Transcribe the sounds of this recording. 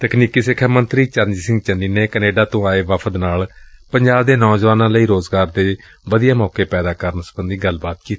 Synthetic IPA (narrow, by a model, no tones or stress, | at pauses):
t̪əkniːkiːsɪkʰːəmənt̪ɾiːt͡ʃəɾnd͡ʒiːsɪ̃ŋɡ̚t͡ʃənːiːneːkəneːɖaːt̪õːaːeːʋəpʰəd̪naːlpəɲd͡ʒaːbd̪eːnɔːd͡ʒʋaːnãːləiːɾoːzɡaːɾd̪eː | ʋəd̪ijaːmɔːkeːpɛːd̪aːkəɾənsəbənd̪iːɡəlbaːt̪̚kiːt̪i̥